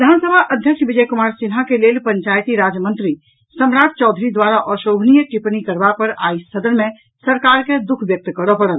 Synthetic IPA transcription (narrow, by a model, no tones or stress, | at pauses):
ʋid̪ʱansəbʱaʔəd̪ʱjəkʃbid͡ʒəjkumaɾsinɦakelelpəɲt͡ʃajt̪iɾad͡ʒmənt̪ɾi | səmɾaʈ̚t͡ʃɔd̪ʱɾid̪waɾaʔɔʃobʱnijəʈipnikəɾbapəɾajsəd̪əɾme | səɾkaɾked̪ukʰbjək̚t̪kəɾɔpəɽəl